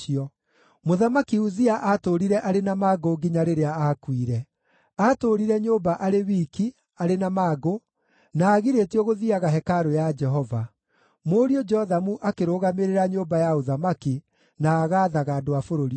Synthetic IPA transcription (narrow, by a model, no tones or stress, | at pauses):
iɔ | moðamakiuziaʔatoɾiɾɛʔaɾenamaːɡoɡiɲaɾeɾeaakwiɾɛ | atoɾiɾɛɲoːbaʔaɾewiːki | aɾenamaːɡo | naːɣiɾetiɔɣoðiaɣaɦɛkaɾojad͡ʒɛɦɔva | moːɾiɔd͡ʒɔðamuʔakeɾoːɣameɾeɾaɲoːbajaoðamaki | naːɣaːðaɣaːdoafoɾoɾi